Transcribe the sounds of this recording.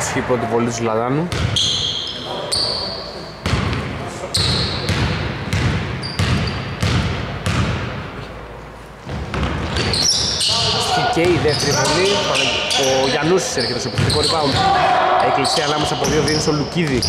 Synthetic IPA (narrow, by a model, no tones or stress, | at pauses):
skipɾot̪̬ipolit̪uzulɐðɐnu | ɐsiceiðeft̪eɾipolit̪oɾɐoʝɐnusi̥seɾçet̪esopisɾikoɾipɐm | eklisiɐnɐmesɐːpoðiovivusoluciði